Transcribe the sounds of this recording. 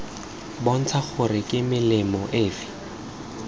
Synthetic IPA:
bɔn̩t͡sʰaχʊɾɪkʼɪmɪlɪmɔʔeːfɪ̥

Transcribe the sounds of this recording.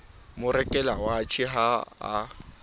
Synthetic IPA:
mʊɾɛkʼɛlawaːt͡ʃʰiɦa̰ː

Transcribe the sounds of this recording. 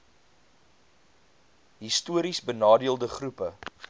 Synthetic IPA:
ɦistuəɾisbənɑːdiəlˠdəχrupə

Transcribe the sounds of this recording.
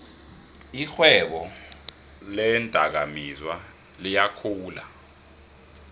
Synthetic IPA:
ixwɛɓɔ | lɛntʼa̰k̬amizwa | lijakʰuːla̰

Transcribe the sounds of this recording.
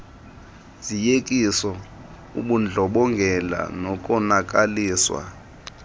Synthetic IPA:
zijekʼisɔ | uɓund͡ɮʱɔɓɔŋɡʱɛla̰nɔkʼɔnak̬ʼaliːswa̰

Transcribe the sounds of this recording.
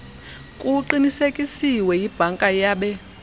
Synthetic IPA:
kʼuǃinisekʼisiwɛjib̥ʱaŋkʼajaːɓɛ

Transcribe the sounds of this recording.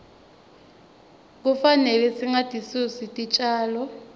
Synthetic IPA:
k̬ufanɛlɛsiŋatʼisusitʼit͡ʃʼaːlɔ

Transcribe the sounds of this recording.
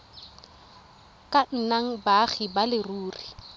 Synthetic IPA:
kʼan̩naŋ̩baχibalɪruːri

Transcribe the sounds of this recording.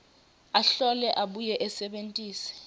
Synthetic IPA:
aɬɔlɛʔaɓujɛʔɛsɛɓentʼiːsɛ̥

